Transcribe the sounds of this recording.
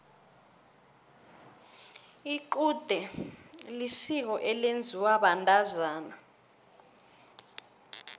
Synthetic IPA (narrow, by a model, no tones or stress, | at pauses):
iǃud̥ʱɛlisik̬ɔʔɛlend͡zʱiwaɓantʼazaːna